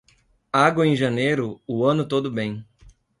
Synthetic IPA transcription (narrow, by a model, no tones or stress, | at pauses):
aɡwɐẽj̃ʒɐnejɾʊʊɐ̃nʊt̪od̪ʊbẽj̃